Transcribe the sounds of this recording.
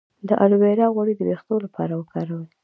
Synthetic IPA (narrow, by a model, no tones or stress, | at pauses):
d̪əʔalweɾɑɣwaɽid̪əbext̪olapʰɑ̰ɾawəkʰɑɾawəl